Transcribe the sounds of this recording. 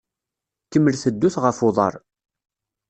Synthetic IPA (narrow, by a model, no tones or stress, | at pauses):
kəmːəlθəd̪ːuθʁəfʊðˤɑ̰ɾˤ